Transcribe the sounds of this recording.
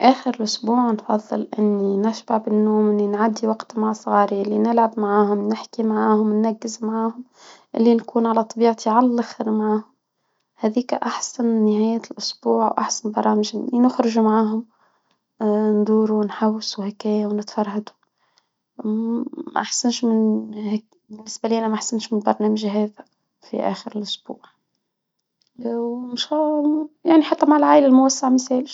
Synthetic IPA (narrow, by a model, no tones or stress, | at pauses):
ʔæːxəɾɪlʔʊsbuːʕnfɑðˤːɨ̰lʔɪnːinɪʃbaʕbɪnːuːmʔɪnːinʕad̪ːiwɑqt̪maʕsˤɣɑːɾilːinɪlʕabmaʕaːhʊmnɪħkimaʕaːhʊmnːaɡːɪzmaʕaːhʊm | ʔɪlːinkuːnʕalæt̪ˤɑbiːʕt̪iʕalælːaxɾmaʕaːhʊm | hæːðiːkʔaħsanːɪhæːjælʔʊsbuːʕwʔa̰ħsanbɑɾˤɑːmɪʒɪlːinʊxɾɪʒumaʕaːɦʊm | nd̪uːɾunħawːsuhɪkæːjawnɪt̪fɑɾˤhad̪u̥ | mæ̰ʔaħsanʃmɪnh | bɪnːɪsbæliːʔænæmæʔaħsanʃmɪnbɑɾˤnæːməʒɦæːðæ | fḭʔæ̰ːxəɾɪlʔʊsb̥ṵːʕ | mʃæjaʕniħat̪ːæmaʕɪlʕaːʔɪlælmʊwasːaʕmɪθæːlɪʃ